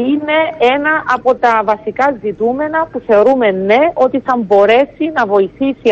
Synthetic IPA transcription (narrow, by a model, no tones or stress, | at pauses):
ine̞e̞nɐʔɐpo̞t̪ɐvɐsikɐzit̪ume̞nɐpuθe̞oɾume̞nːe̞o̞t̪iθɐmbo̞ɾe̞sinɐvo̞iθisi